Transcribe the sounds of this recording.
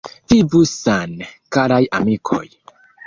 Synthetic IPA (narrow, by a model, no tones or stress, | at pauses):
vivusankaɾajamikʰo̰j